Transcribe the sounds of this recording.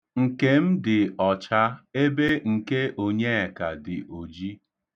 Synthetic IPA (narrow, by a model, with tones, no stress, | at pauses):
ŋ̩˨ke˦m̩˦dɪ˨ɔ˨t͡ʃa˦e˦be˦ŋ̩˨ke˦ʔo˨ɲe˦e˨ka˨dɪ˨ʔo˨d͡ʒi˦